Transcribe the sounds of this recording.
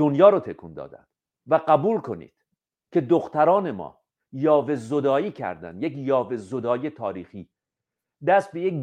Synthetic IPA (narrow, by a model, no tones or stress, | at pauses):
onjɒːɾɔːt̪ʰekʰuːnd̪ɒ̰ːd̪æ̰nd̪̥ | væɢæbuːlkʰo̞nḭːd̪̥ | cʰe̞d̪oxt̪ʰæɾɒːne̞mɒ̰ː | jɒːve̞zod̪ɒːiːcʰæ̰ɾd̪æ̰nd̪jekjɒːve̞zod̪ɒːje̞t̪ʰɒːɾiːxiː | d̪æst̪̚bejek